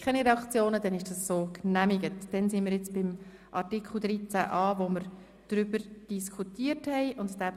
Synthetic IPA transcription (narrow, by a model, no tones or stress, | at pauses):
kʰɛniɾeɛɑkt͡sjoːnəd̥ɛnɪʃd̥ɑsːoːknæmɪɡətd̥ɛnsɪnmiɾjɪt͡sb̥ɪm | ʔɑrtikʰχl̩ˠd̪ɾit͡sæ̰ʔɑːʋoməɾ | d̥ɾʏb̥əɾd̥iskʰutiərthɛɪʔʊnttæb